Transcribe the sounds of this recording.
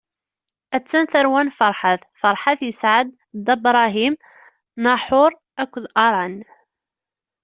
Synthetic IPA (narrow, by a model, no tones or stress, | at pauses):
æt͡sːænθəɾwænfɑɾˤħaθfɑɾˤħaθjəsʕəd̪ | d̪æbɾˤɑɦim | nɑħʊɾˤ | ækʷːðʔɑɾˤɑn